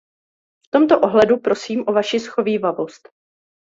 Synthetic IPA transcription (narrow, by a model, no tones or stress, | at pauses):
ft̪o̞mt̪oʔo̞ɦlɛdupɾo̞siːmʔo̞vaʃɪsxo̞viːvavo̞st̪